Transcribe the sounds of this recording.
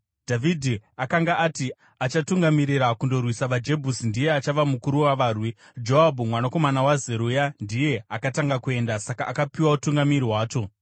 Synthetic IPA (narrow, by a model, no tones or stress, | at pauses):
d̥ʱavʱidʱiakaŋɡaʔːti | at͡ʃatuŋɡamiɾiɾakundo̞rwisaʋad͡ʒe̞bʱusindije̞at͡ʃaʋamukuɾuwaʋaːrwi | d͡ʒo̞abʱumwanako̞manawazeɾujandije̞akataŋɡakue̞ndasakaʔːkapiwautuŋɡamiɾiwaːt͡ʃo̞